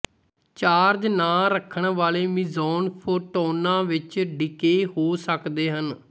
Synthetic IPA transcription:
t͡ʃaːɾd͡ʒnãːɾəkʰːəɳʋaːleːmiːzɔːnpʰoːʈɔːnãːʋɪt͡ʃɖɪkeːɦoːsəkd̪eːɦən

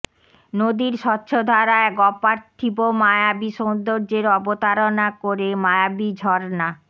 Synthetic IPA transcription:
nod̪iɾʃɔtːɕʰod̪ʱaɾaeɡɔpaɾt̪ʰibomajabiʃond̪oɾd͡ʑeɾɔbot̪aɾonakoɾemajabid͡ʑʱɔɾna

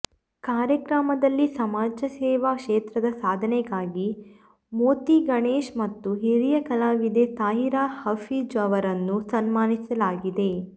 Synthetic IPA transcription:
kaːɾjɐkɾamɐd̪ɐlːisɐmaːd͡ʒɐsɛːʋakʂeːt̪ɾɐd̪ɐsaːd̪ʱɐnɛɡaːɡi | moːt̪iɡɐɳeːʃmɐt̪ːuɦiɾijɐkɐlaːʋid̪et̪aːɦiɾaːhɐfid͡ʒɐʋɐɾɐnːusɐnmaːnisɐlaːɡid̪e̞

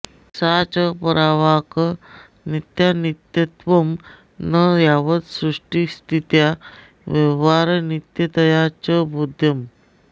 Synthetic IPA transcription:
sat͡ɕəpəɾaʋak | nit̪janit̪jət̪ʋəm | nəjaʋət̪sɾuʂʈist̪it̪ja | ʋeʋaɾnit̪jət̪əjat͡ɕəbʱud̪ʱjəm

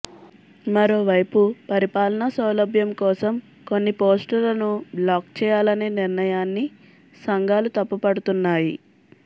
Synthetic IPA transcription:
mɐɾo̞ːʋɐjpupɐɾipaːlɐnɐsɐwlɐbʱjɐmkɔːsɐm | ko̞nːipo̞ːsʈɐlɐnubɭaːkt͡ʃɛːjaːlɐneːniɾnɐjaːnːi | sɐŋɡʱaːlut̪ɐpːupɐɽut̪unːaːjḭ

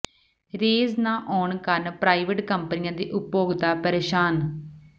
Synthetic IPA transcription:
ɾeːznãːʔɔːɳkəɾnpɾaːiʋəʈkəmpənijãːd̪ḭːʔʊpjoːɡd̪aːpəɾeːʃaːn

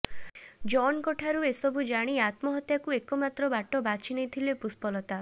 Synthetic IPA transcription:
d͡ʒɔnkɔʈʰaɾuesɔbʱud͡ʒaɽ̃iat̪mɔɦɔt̪jakuekɔmat̪ɾɔbaʈɔbat͡ʃʰinejt̪ʰilepuspɔlɔt̪a

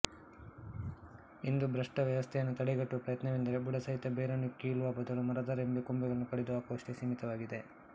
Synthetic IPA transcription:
ind̪ubɾɐʂʈɐʋjɐʋɐst̪ʰɛjɐnːut̪ɐɽiɡɐʈːuʋɐpɾɐjɐt̪nɐʋind̪ɐɾe̞buɽɐsɐɦit̪ːɐbeːɾɐnːukiːluʋaːbɐd̪ɐlumɐɾɐd̪ɐɾembekumbɛɡɐɭɐnːukɐɽed̪uaːkuʋɐʂʈ̪esimit̪ɐʋaːɡid̪e̞

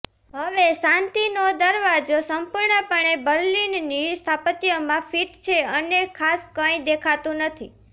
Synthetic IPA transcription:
ɦəʋesãnt̪inod̪əɾʋad͡ʒosəmpuɾɳəpəɳebəɾlinːist̪ʰapət̪ijomãfiʈt͡ʃʰeənekʰaskə̃j̃d̪ekʰat̪ũnət̪ʰi

